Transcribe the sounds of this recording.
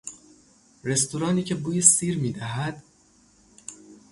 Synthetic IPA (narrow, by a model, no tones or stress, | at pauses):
ɾe̞st̪uɾɒːniːcʰe̞buːjesiːɾmiːd̪æɦæd̪̥